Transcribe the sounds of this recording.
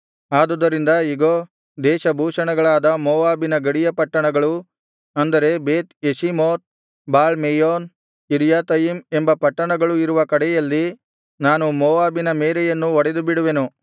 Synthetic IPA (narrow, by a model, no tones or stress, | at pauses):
aːd̪ud̪ɐɾind̪ɐiɡo | d̪ɛːʃɐbʱuːʂɐɳɐɡɐɭaːd̪ɐmɔːʋaːbinɐɡɐɽijɐpɐʈːɐɳɐɡɐɭu | ɐnd̪ɐɾe̞beːt̪eʃimoːt̪̚ | baːlmejoːn | iɾjaːt̪ɐjimembɐpɐʈːɐɳɐɡɐɭuiɾuʋɐkɐɽɛjɐlːi | naːnumɔːʋaːbinɐmeːɾɛjɐnːuɔɽed̪ubiɽuʋenu